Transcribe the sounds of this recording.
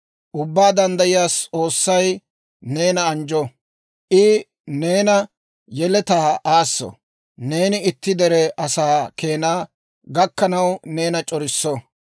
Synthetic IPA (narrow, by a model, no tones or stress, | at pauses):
ʔʊbːaːd̪ɐnd̪ɐjɪjaːst͡sʼo̞ːsːɐj | ne̞ːnɐːnd͡ʒɔ | ʔɪ | ne̞ːnɐ | jɛlɛt̪aːaːsːɔ̰ | ne̞ːnɪɪt̪ːɪd̪ɛɾɛʔɐsaːke̞ːnaː | ɡɐkːɐnɐwne̞ːnɐt͡ʃʼɔɾɪsːɔ